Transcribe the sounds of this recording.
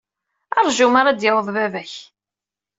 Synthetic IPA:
ɑ̰ɾˤʒumaɾad̪jəwəðˤvævæç

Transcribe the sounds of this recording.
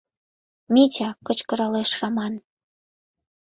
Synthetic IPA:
mʲit͡ɕɑkət͡ɕkɤ̆ɾɑleʃrɑmɑn

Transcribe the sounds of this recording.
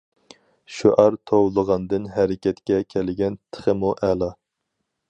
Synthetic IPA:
ʃuʔɑɾt̪ʰowlˠəʁɑnd̪ɨnɦæɾɪkʲʰɛt̪kʲɛkʲʰɛlɪɡʲɛnt̪ʰə̥χəmuʔɛlˠɑ

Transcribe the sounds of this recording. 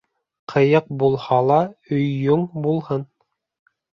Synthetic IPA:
qʰɤ̆jɤq̚bulˠhɑlˠɑɵjːuɴbulˠhɤn

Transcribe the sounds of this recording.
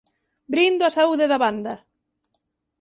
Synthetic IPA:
bɾind̪ʊasauðeðaβand̪ɐ

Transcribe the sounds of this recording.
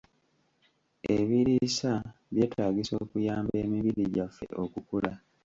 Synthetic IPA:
eβiɾisaβje̞ːtʰaːɟiso̞̰ːkujaːmbe̞ːmiβiɾiɟafːe̞̰ʔo̞kukula

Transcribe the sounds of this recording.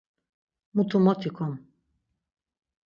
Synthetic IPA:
mut̪ʰumɔt̪ʰikʰɔm

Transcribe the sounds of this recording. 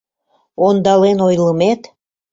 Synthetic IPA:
ond̪ɑlenojləmet̪

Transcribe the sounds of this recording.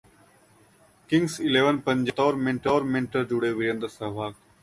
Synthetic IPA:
kɪ̃ŋɡsɪleːʋənpə̃ɲd͡ʒət̪ɔːɾmɪ̃ɳʈoːɾmɪ̃ɳʈəɾd͡ʒuɽeʋɪɾẽnd̪əsɐɦʋaːk

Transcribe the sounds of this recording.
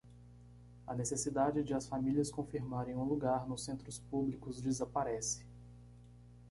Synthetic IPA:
ɐnesesid̪ad͡ʒɪd͡ʒɪɐsfamiliɐskõfiɾmaɾẽj̃ũluɡaɾnʊsːẽnt̪ɾʊspublikʊzd͡ʒɪzapaɾɛsɪ̥

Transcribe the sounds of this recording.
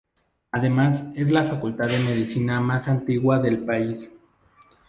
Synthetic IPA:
aðe̞mase̞z̬lafakult̪aððeme̞ðisinamasant̪iɣwaðe̞lpais

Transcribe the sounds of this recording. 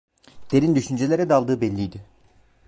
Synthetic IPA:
d̪̥eɾind̪yʃynd͡ʒelʲeɾɛd̪ɛalˠd̪ɯːbɛlʲːijd̪ɪ

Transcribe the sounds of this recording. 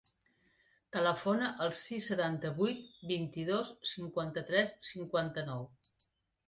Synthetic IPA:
t̪ələfonəʔəlˠsisːət̪ant̪əβujt̪̚bint̪iðossiŋkwant̪ət̪ɾɛssiŋkwant̪ənɔw

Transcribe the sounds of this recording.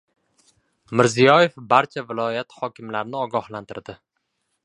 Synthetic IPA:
mɪɾzijɒjefbaɾt͡ʃʰavɪlˠɒjat̪hɒkʲʰɪmlaɾnɪɒɡɒhlant̪ʰɪɾd̪ɪ

